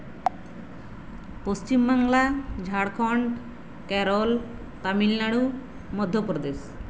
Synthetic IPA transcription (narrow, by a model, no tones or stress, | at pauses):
post͡ɕimbaŋlad͡ʑʱaɽkʰɔɳɖ | kɛɾol | t̪amilnaɽu | mɔd̪ʱːopɾɔd̪es